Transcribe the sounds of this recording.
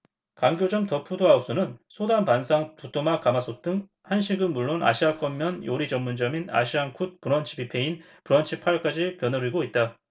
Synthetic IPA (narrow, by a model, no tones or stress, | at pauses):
kaŋɡjod͡ʑʌmtʌpʰudoaus͈unɯnsʰodanpansʰaŋtut͈ʰomakamasʰot͈ɯŋ | hanɕʰiɡɯnmuɭːona̰ɕʰiak͈ʌmmːjʌnjoɾid͡ʑʌmːund͡ʑʌmina̰ɕʰiaŋkʰut̚puɾʌnt͡ɕʰi̥pipʰe̞in | puɾʌnt͡ɕʰipʰaɭk͈ad͡ʑikjʌnɯɾɯɭɡoit̚t͈a